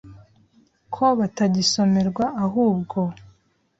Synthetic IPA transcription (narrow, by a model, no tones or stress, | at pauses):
kʰo̞βataɟiso̞me̞ɾɡwaʔaɦuːbɡo̞